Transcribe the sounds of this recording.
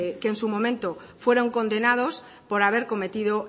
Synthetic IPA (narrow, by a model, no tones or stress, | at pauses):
keːnsumõmẽnt̪o | fwe̞ɾoŋko̞nd̪enað̞os | poɾaβ̞e̞ɾko̞me̞t̪ið̞o